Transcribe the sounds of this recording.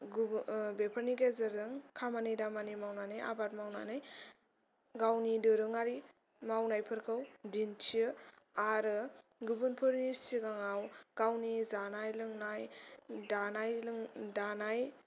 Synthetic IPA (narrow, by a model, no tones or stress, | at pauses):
bepʰəɾniɡezɯɾzɯŋkʰamanɯjdamanimawnanaja̰bat̚mawna̰nɯj | ɡawnidɯɾɯŋaɾi | mawnajpʰɯɾkʰɯwdintʰiɯ | aɾɯɡubɯnpʰɯɾnisiɡaŋawɡ̥awnizanajlɯŋnajdanajŋdanaj